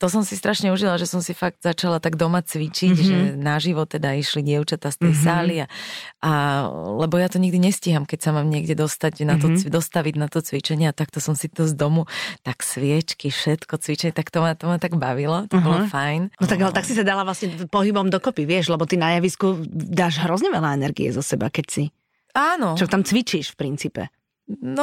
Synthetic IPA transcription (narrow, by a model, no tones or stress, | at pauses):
t̪ɔsɔmsist̪ɾaʃɲɛuʒilaʒɛsɔmsifaɡd̪zat͡ʃalat̪aɡd̪ɔmat͡sʋit͡ʃicʒɛnaʒiʋɔt̪ɛd̪aiʃliɟɪɛʊt͡ʃat̪aːst̪ɛjsaːliaalɛbɔjat̪ɔɲiɡd̪iɲɛsciɦamkɛcsamaːmɲɪɛɡɟɛd̪ɔst̪aɟnat̪ɔd̪ɔst̪aʋiɟnat̪ɔt͡sʋit͡ʃɛɲɪɛat̪akt̪ɔsɔmsit̪ɔzd̪ɔmut̪aksʋɪɛt͡ʃkifʃɛt̪kɔt͡sʋit͡ʃɛɲt̪akt̪ɔmat̪ɔmat̪aɡbaʋilɔt̪ɔbɔlɔfajnnɔt̪aɡalɛt̪aksisad̪alaʋlasɲɛpɔɦibɔmd̪ɔkɔpiʋɪɛʒlɛbɔt̪inajaʋiskud̪aːʒɦɾɔzɲɛʋɛlaɛnɛɾɡḭɛ̰zɔsɛba̰kɛcsi | aːnɔt͡ʃɔt̪amt͡sʋit͡ʃiʃfpɾint͡siːpɛ̰ | nɔ